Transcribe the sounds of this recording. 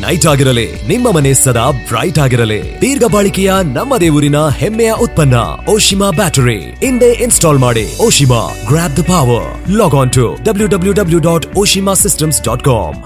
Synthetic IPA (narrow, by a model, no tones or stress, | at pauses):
nɐ̰jʈaːɡiɾɐlḛ | nimːɐmɐnesɐd̪ʱaːbɾɐ̰jʈaːɡiɾɐlḛt̪iːɾɡɐbaːɭikɛjɐnɐmːɐd̪eːʋuɾinɐhemːɛjɐʔut̪̚pɐnːɐ̰oːʃimabaːʈɐɾḭ | ind̪eʔinsʈɔːlmaːɽḭoːʃima̰ɡɾaːb̚d̪paːʋɐ̰ɾ | lɔːɡaːnʈṵɖɐbljuɖɐbljuɖɐbljuɖɔːʈoːʃimasisʈɐmsɖɔ̰ːʈkɔ̰ːm